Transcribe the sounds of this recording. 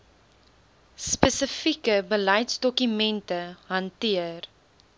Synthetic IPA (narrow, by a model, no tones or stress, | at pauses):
spəsəfikəbəlɐjtsdɔkymɛntəɦɐntiər